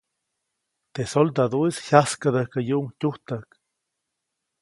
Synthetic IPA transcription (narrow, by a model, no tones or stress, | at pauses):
t̪esold̪ad̪oishjaskad̪əkajuuŋtʲuht̪ak